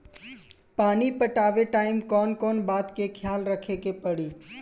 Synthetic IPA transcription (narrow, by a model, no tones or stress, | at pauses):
paːnipəʈaːʋeʈaːɪmkɔːnkɔːnbaːt̪kekʰjaːlɾəkʰekepɐɽiː